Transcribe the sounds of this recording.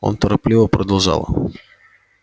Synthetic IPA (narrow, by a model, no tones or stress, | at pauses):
o̰nt̪əɾɐplʲivəpɾʔəd̪ɐlˠʐa̰lˠə̰